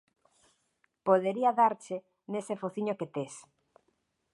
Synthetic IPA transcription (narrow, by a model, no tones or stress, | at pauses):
poðeɾiaðaɾt͡ʃe | nesefoθiɲoket̪es